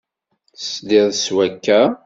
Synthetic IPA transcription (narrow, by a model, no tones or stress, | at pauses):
sd̪ɪðˤswækːæ